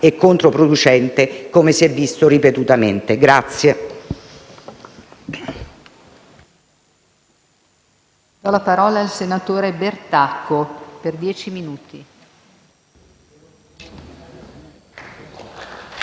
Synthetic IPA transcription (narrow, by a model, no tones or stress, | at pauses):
ekːont̪ɾopɾod̪ut͡ʃɛnt̪ekomesiɛvːist̪oripet̪ut̪ament̪eɡɾat̪sːje | d̪̥ɔlapaɾɔːlaːlsenat̪oːɾebert̪akʰːoperd̪jɛːt͡ʃiminuːt̪i